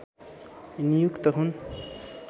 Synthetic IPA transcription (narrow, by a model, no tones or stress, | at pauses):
nijukt̪ʌɦun